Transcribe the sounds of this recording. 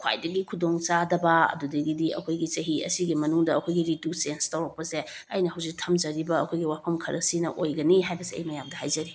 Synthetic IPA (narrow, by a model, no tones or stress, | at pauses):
kʰwa̰jdɐɡikʰudoŋt͡ʃadɐbɐɐ̰dudɐɡidiɐ̰kʰojɡit͡ʃɐɦiɐ̰siɡimɐnuŋdɐɐkʰojɡiɾidusenstɐwɾɐk̚pɐse | ɐjnɐhɐwzik̚tʰɐmd͡ʒɐɾibɐɐkʰojɡiwapʰɐmkʰɐɾɐksinɐʔojɡɐniɦajbɐsiɐ̰jmɐjamdɐhajd͡ʒɐɾi